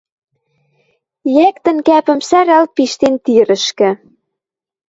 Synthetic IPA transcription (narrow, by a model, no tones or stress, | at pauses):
jæk̚t̪ə̆nkæpə̆msæɾɑl̚piʃt̪ent̪iɾə̆ʃkɘ̆